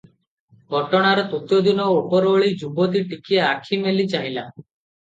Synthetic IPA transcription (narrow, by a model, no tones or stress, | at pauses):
ɡʱɔʈɔɽ̃aɾɔt̪ut̪jɔd̪inɔopɔɾoɭid͡ʒubɔt̪iʈikieakʰimelit͡ʃaɦila